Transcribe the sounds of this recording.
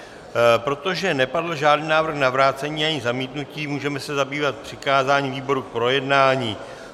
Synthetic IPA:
pɾo̞t̪o̞ʒɛnɛpadl̩ʒaːdniːnaːvr̩xnavɾaːt͡sɛɲiːaɲɪzamiːt̪nuciːmuːʒɛmɛsɛzabiːvat̪̚pr̝̥ɪkaːzaːɲiːviːbo̞ɾuk̚pɾo̞jɛdnaːɲiː

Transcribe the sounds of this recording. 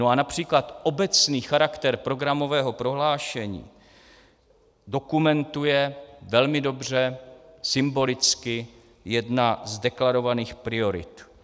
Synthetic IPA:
noanapr̝̥iːklat̪ʔo̞bɛt͡sniːxaɾakt̪ɛɾpɾo̞ɡɾamo̞vɛːɦo̞pɾo̞ɦlaːʃɛɲḭː | do̞kumɛnt̪ujɛvɛlmɪdo̞br̝ɛsɪmbo̞lɪt͡skɪ | jɛdnazdɛklaɾo̞vaniːxpɾɪo̞ɾɪ̰t̪

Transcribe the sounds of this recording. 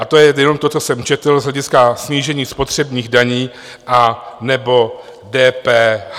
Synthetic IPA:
ʔat̪ojɛjɛno̞mt̪o̞t͡sosɛmt͡ʃɛt̪l̩zɦlɛɟɪskasɲiːʒɛɲiːspo̞t̪r̝̥ɛbɲiːɣdaɲiː | ʔanɛbo̞ | dɛːpɛːh

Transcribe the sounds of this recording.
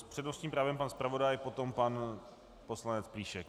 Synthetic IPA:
pr̥ɛdnosɲiːmpɾaːvɛmpanspɾavo̞dajpo̞t̪o̞mpan | poslanɛt͡spliːʃɛk

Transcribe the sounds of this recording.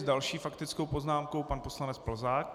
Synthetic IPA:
zdalʃiːfakt̪ɪt͡skowpo̞znaːmkowpanpo̞slanɛt͡spl̩zaːk̚

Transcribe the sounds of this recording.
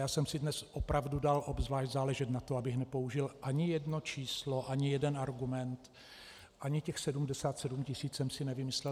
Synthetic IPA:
jaːsɛmsɪdnɛsʔopɾavdudalʔobzvlaːʃɟzaːlɛʒɛt̪nat̪oabɪxnɛpo̞uʒɪlʔaɲɪjɛdnot͡ʃiːslo̞ʔaɲɪjɛdɛnaɾɡumɛnt̪ | ʔaɲɪcɛxsɛdumdɛsaːt̪sɛdumcɪsiːt͡ssɛmsɪnɛvɪmɪslɛ

